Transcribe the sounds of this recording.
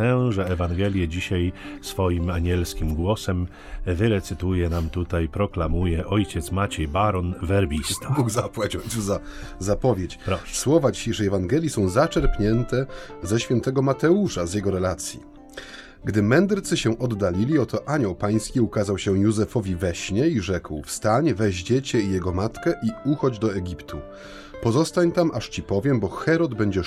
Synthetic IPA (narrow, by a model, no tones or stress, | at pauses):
ɛʐɛɛvaŋɡɛlʲjɛd͡ʑiɕajsfɔjimaɲʲɛlskʲimɡwɔsɛm | vɘɾɛt̪sɘt̪ujɛnamt̪ut̪ajpɾɔklamujɛʔɔjt͡ɕɛt̪smat͡ɕɛjbaɾɔnvɛɾbʲist̪ḁbuɡzapwat͡ɕɔjt̪uzazapɔvʲet͡ɕpɾɔswɔvad͡ʑiɕejʂɛjɛvaŋɡɛlʲjisɔ̃w̃zat͡ʂɛɾpɲɛnt̪ɛzɛɕfʲjɛnt̪ɛɡɔmat̪ɛuʂazʲjɛɡɔɾɛlat̪sʲjḭ | ɡd̪ɘmɛnd̪ɾt̪sɘɕɛʔɔd̪ːalʲilʲiɔt̪ɔʔaɲɔwpaj̃skʲiukazawɕɛjuzɛfɔvʲivɛɕɲɛiʐɛkwfst̪aɲvɛʑd͡ʑɛt͡ɕɛijɛɡɔmat̪kɛʔiuxɔd͡ʑd̪ɔɛɡʲipt̪ʰṵ | pɔzɔst̪aɲt̪amʔaʂt͡ɕipɔvʲjɛmbɔxɛɾɔd̪bɛɲd͡ʑɛ